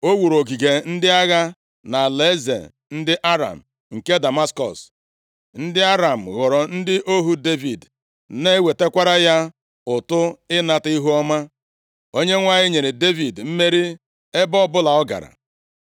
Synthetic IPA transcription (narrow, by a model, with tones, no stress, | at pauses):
o˦wu˨ɾo˨ɡi˨ɡe˨n̩˦dɪ˦a˦ɣa˦ | na˨le˦zḛ˨ | n̩˦dɪ˦ʔa˦ɾa̰˨m̩˨ | ŋ̩˨ke˦da˨ma˦skɔ̰˨s | n̩˦dɪ˦a˦ɾa˨m̩˨ɣɔ˨ɾɔ˨n̩˦dɪ˦ʔo˦ɦu˦de˦vi˨d | ne˦we˨te˦kʷa˦ɾa˦ja˦ | ʊ˨tʊ˦ɪ˦na˦ti˦ɦu˦ɔ˦ma˦ | o˦ɲe˦ŋʷa˦ɣɪ˦ɲe˨ɾe˨de˦vi˨dm̩˦me˦ɾi˦ | e˦bɔ˦bʊ˦la˨ɔ˦ɡa̰˨ɾa̰˨